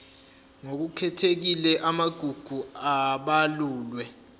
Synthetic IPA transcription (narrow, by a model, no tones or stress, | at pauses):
ŋok̬ukʰɛtʰek̬ilɛʔamaɡ̥ʱuɡ̥ʱuaɓaluːlwɛ